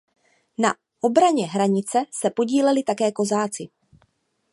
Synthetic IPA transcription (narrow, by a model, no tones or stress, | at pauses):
na | ʔo̞bɾaɲɛɦɾaɲɪt͡sɛsɛpo̞ɟiːlɛlɪt̪akɛːko̞zaːt͡sɪ